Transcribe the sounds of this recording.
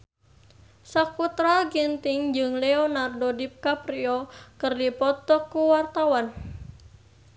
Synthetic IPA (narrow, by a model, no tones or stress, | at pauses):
sakut̪ɾaɡint̪ɪŋd͡ʒɨŋlɛɔnardodip̚kapɾiɔkɨrdipɔt̪ɔkːuwart̪awan